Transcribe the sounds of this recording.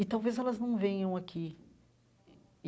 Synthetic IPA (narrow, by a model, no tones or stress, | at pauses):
ɪt̪awvezɛlɐznɐ̃w̃vẽjɐ̃w̃akʰi